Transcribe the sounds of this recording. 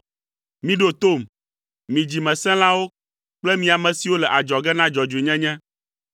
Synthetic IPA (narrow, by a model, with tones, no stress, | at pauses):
mĩ˦ɖo˦t̪o˦˨m | mĩ˨d͡ʑi˨mɛ̃˨sɛ̃˦l̃ã˦wo˦ | k͡plɛ˦mĩ˨a˨mɛ̃˨si˨wo˦lɛ˨ʔa˨d͡ʒɔ˨ɡɛ˦nã˦d͡ʒɔ˨d͡ʒu˨e˨ɲɛ̃˦ɲɛ̃˦